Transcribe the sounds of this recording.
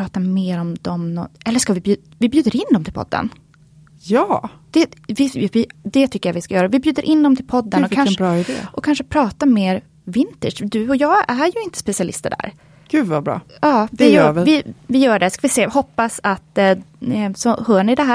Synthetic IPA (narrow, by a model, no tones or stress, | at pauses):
ɑːt̪ameːɾɔmd̪ɔmnɔ̰ɛlːəʂkavɪbjʉː | vɪbjʉ̟ːd̪əɾɪnd̪ɔmt̪ʰɪlpʰɔ̰d̪ːə̰n | jɑːd̪̥ɛvɪvɪd̪ɛt̪ʰʏkːəjavɪskajœːɾavɪbjʉ̟ːd̪əɾʔɪnd̪ɔmt̪ʰɪlpʰɔd̪ːənɔkʰaɾɑːɪd̪ḛːɔkʰanʂəpʰɾɑːt̪ameːɾ | vɪnt̪əʂd̪ɵɔjɑːɡæɾjɵɪnt̪ə̥spɛsɪalɪ̰st̪ə̰ɖæ̰ɾ | ɡ̥ʉvabɾɑ̰ːɑːvɪjvɪvɪjœːɖɛskavɪseːhɔpːasat̪ | sɔhœːɳɪd̪ɛɦæː